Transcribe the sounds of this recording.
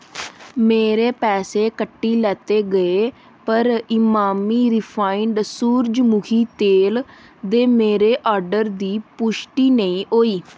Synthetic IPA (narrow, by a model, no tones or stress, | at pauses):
meːɾeːpɛːseːkəʈːiːlɛːt̪eːɡəeː | pəɾɪmaːmiːɾɪpʰaːɪɳɖsuːɾd͡ʒmʊkʰiːt̪eːl | d̪eːmeːɾeːʔɔːɾɖəɾd̪iːpʊʃʈiːnəĩːʔoːiː